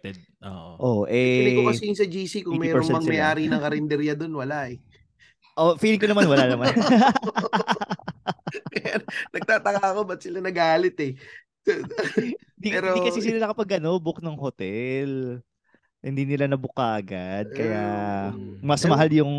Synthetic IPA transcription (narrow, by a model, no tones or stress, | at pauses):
t̪ɛd̪̚ʔoʔoʔoʔɛlɛkokɐsɛjʊŋsɐd͡ʒiːsikʊŋmɛːɾpɛoŋɛɐŋmsɐjaːɾinɐŋkɐɾɛnd̪ɛɾjɐd̪onwɐlaʔɛ | ʔofiːlɪŋkonɐmanwɐlanɐman | kɐjanɐɡ̚t̪aːt̪ɐkaɐkobɐt̪̚sɪlanɐɡaːlɪt̪ɛ | d̪iɛɾokɐsis̬ɪlanɐkɐpɐɡʔɐno̞bʊk̚nɐŋhot̪ɛl | hɪnd̪iːnɪlanɐbʊkaʔɐɡad̪̚kɐja | mɐsmɐɦaljʊŋ